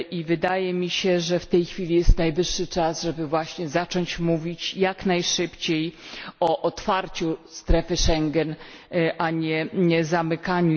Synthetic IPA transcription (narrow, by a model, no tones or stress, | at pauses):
ʔivɘd̪ajɛmʲiɕɛʐɛft̪ɛjxfʲilʲijɛst̪najvɘʂːɘt͡ʂazʐɛbɘvwaɕɲɛzat͡ʂɔɲt͡ɕmuvʲit͡ɕjaknajʂɘpt͡ɕejɔʔɔt̪faɾt͡ɕust̪ɾɛfɘʂɛŋɡɛn | ʔaɲɛɛzamɘkaɲu